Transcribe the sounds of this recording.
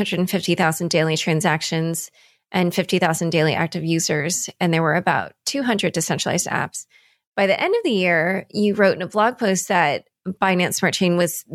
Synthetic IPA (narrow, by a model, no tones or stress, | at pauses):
ʌ̃ndɹɨdn̩fɪftiθaʊzn̩deɪlˠitʰɹ̥æ̃nzækʃɨ̃nz̥ | ʔɨ̃nfɪftiθaʊzn̩deɪlˠiʔæ̰k̚tɨvjʉzə˞z̥ɨ̃nðə˞wə˞ɨbaʊtʰʉɦʌ̃ndɹɨd̚tɨsɛ̃nt͡ʃɹ̥lˠa̰ɪzdæ̰ps | b̥aɪðiʔɛ̃ndʌvðɨjɪɹjɨɹoʊɾ̃nəblɑɡ̚pʰoʊst̪̚ðɨt̚ | fãɪ̃næ̃nsmɑɹ̚t͡ʃʰẽɪ̃nwʌz̥